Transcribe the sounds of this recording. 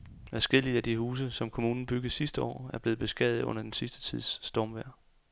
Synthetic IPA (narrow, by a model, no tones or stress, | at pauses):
æɐsɡ̥e̝l̰iæd̥ihuːs̬əsɒ̽mkʰo̝muːnn̩b̥yɡ̥ð̩ˠsisd̥əɒ̰ːæɐb̥e̝ːð̩ˠb̥e̝sɡ̥ɛðð̩ˠɔ̽n̰ɐd̥ensisd̥ə̥t͡sʰið̰ˠsːd̥ɒːmʋæɐ̰